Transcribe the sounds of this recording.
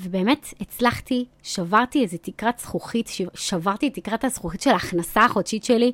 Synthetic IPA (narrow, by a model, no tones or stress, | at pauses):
vebe̞ːmetet͡slaχti | ʃavaʁtiezetikʁatsχuχitʃeʃavaʁt̪itːikʁathasχuχitʃelaːχnasaaχo̞dʃitʃeli